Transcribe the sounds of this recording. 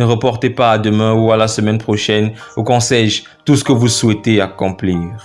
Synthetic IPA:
nəʁəpɔʁt̪epaːd̪əmɛ̃ualasəmɛnpχoʃɛnukɔ̃sɛʒ | t̪usə̥kəvuswɛt̪eakɔ̃pliːʁ

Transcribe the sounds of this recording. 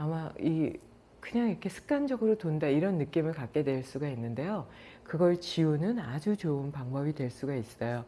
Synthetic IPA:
amai | kɯɲaŋiɾʌkʰe̞sʰɯ̥k̚k͈and͡ʑʌɡɯɾotondaiɾʌnːɯk͈imɯɭkak͈̚e̞dwe̞ɭs͈uɡainːɯnde̞jo | kɯɡʌɭt͡ɕiunɯnad͡ʑut͡ɕoɯnpaŋbʌbidwe̞ɭs͈uɡais͈s͈ʌjo

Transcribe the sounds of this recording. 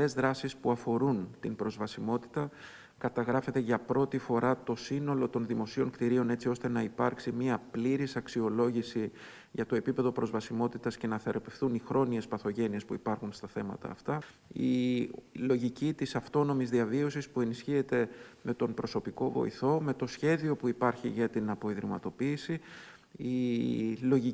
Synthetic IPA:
e̞zðɾɐsispuɐfo̞ɾunt̪inpɾo̞zvɐsimo̞t̪i̥t̪ɐ | kɐt̪ɐɣɾɐfe̞t̪e̞ʝɐpɾo̞t̪ifo̞ɾɐt̪o̞sino̞lot̪o̞nðimo̞sio̞ŋkt̪iɾio̞ne̞t͡sio̞st̪e̞nɐipɐɾksimɲiɐpliɾisɐksio̞lo̞ʝisi | ʝɐt̪o̞e̞pipe̞ðo̞pɾo̞zvɐsimo̞t̪it̪ɐsce̞nɐθe̞ɾope̞fθunixɾo̞nie̞spɐθo̞ʝe̞nie̞spuipɐɾxunst̪ɐθe̞mɐ̰t̪ɐ̰ːft̪ɐ | i | lo̞ʝicit̪isɐft̪o̞no̞mizðiɐvio̞sispue̞nisçie̞t̪e̞me̞t̪o̞mpɾo̞so̞piko̞vo̞̰ḭθo̞me̞t̪o̞sçe̞ðio̞puipɐɾçiʝɐt̪inɐpo̞iðɾimɐ̰t̪o̞piːsi | i | lo̞ʝi

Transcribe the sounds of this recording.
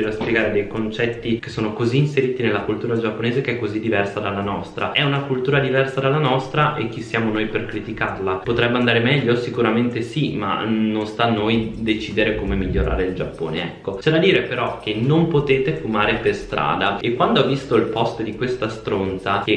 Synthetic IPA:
eɾaspjeɡaːɾed̪ejkont͡ʃɛt̪ːike̥sːoːnokoziːnseɾiːt̪inelːakult̪uːɾad͡ʒapːoneːzekeɛkːozid̪ːivɛrsad̪alːanɔst̪ɾaɛunakult̪uːɾad̪ivɛrsad̪alːanɔst̪ɾaʔek̟ːisːjaːmonojperkɾit̪ikarlapot̪ɾɛbːand̪aːɾemɛʎːosikuɾament̪esima̰nonst̪anːojd̪et͡ʃiːd̪eɾekomemiʎːoɾa̰ːɾeild͡ʒapːo̰ːneɛ̰kːot͡ʃɛd̪ad̪iːɾepeɾɔk̟ːenompot̪eːt̪efumaːɾeperst̪ɾa̰ːd̪aekːwand̪oɔvːist̪oilpɔst̪d̪ikwest̪ast̪ɾont̪sake

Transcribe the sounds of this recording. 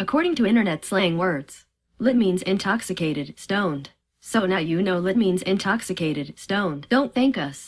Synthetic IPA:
ɨkʰɔɹɾɪ̃ŋtʰɨɪ̃ɾ̃ə˞nɛtsleɪɪ̃ŋwɜ˞dz̥ | lɪt̚mĩnzɪ̃ntʰɑksɨkʰeɪɾɨd̥̚stõʊ̃nd̥ | soʊnɨjɨnoʊlɨt̚mĩnzɪ̃ntʰɑksɨkʰeɪɾɨd̥̚stõʊ̃nd̥õʊ̃nθɪ̃ŋkʌs

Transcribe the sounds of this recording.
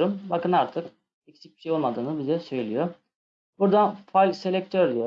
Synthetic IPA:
ɾumbakɯnaɾt̪ʰɯk | ɛcsi̥c̚bi̥ʃejolˠmad̪ɯːnɯbizɛsø̞jlʲijo | buɾd̪anfajlʲse̞lʲɛc̚t̪ʰøɾd̪ijo

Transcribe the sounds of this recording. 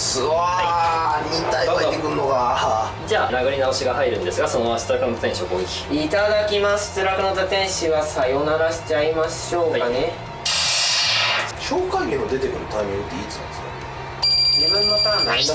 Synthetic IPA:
sɨaamʲĩnt̪ajt̪ekɯ̟ɯnoɡa | d͡ʑaːnaɡɯɾʲinao̞ɕiɡaɦaiɾɯ̟̃nd̪e̞sɨɡasonoaɕi̥t͡sɨɾakɯnot̪at̪ẽɕiokoːkʲi̥it̪ad̪akʲimaɕi̥t͡sɨɾakɯ̟not̪at̪ẽ̞ɰ̃ɕiβasajonaɾaɕi̥t͡ɕaimaɕ | o̞ːkaane | ɕoːkãŋɡʲẽnod̪e̞t̪e̞kɯ̟ɾɯ̟t̪aimʲĩŋɡɯt̪eit͡sɨ̥nã̰nd̪ska̰ | d͡ʑibɯ̟̃nːot̪ãna

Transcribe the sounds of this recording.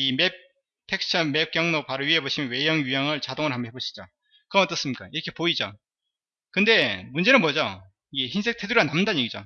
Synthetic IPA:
ime̞p̚ | tʰe̞k̚t͡ɕʰʌme̞p̚k͈jʌŋnopaɾoɥieboɕʰimjʌnwe̞jʌŋjujaŋɯɭt͡ɕadoŋɯɭɦamoɦeboɕʰi̥d͡ʑa̰ | kɯɾʌnʌt͈ʌs͈ɯmɲik͈aiɾʌkʰe̞poid͡ʑa̰ | kɯnde̞mund͡ʑe̞nɯnmwʌd͡ʑa | ieçins̬ʰe̞k̚tʰe̞duɾianːamndanɲje̞ɡid͡ʑo̰

